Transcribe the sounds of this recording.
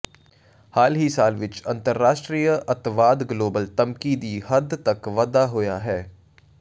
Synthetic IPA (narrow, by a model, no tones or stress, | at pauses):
haːlɦisaːlʋɪt͡ʃɐ̃nt̪əɾːaːʃʈɾiːjəʔɐt̪ʋaːd̪ɡloːbəlt̪əmkiːd̪iːhɐd̪t̪ɐkʋɐd̪aɦʊja̰ɦɛː